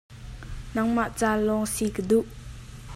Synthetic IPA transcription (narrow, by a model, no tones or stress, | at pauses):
nɐŋmaʔt͡saːlɔŋsikəd̪uʔ